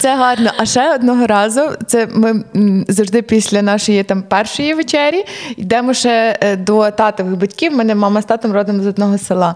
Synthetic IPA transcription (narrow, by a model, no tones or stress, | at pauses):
tsɛɦɑrnɔʔɐʃɛɔd̪nɔɦɔɾɑzʊt̪sɛmɪzɐwʒd̪ɪpʲisʲlʲɐnɑʃɔjit̪ɑmpɛrʃɔjiʋet͡ʃɛɾʲjiid̪ɛmɔʃɛd̪ɔt̪ɑt̪ɔʋɪɣbɐtʲkʲiwmɛnɛmɑmɐst̪ɑt̪ɔmɾɔd̪ɪmɔzɔd̪nɔɦɔselˠɑ